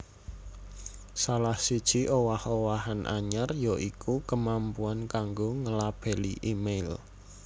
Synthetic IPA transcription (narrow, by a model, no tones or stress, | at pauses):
salahsid̥ʒ̥i̤ʔowahowaɦanʔa̰ɲərjoʔikʰukəmampuankaŋɡoŋəlab̥ɛ̤lḭʔimel